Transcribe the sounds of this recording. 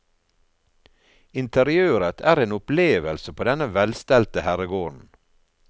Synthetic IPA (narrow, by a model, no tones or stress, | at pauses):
ɪnt̪ʰəɾɪøːɾət̪ʰæːɾeːnʊpleːʋəlsəpʰoːd̪ɛnəʋɛlst̪ɛlt̪əhæɾəɡoːɳ̩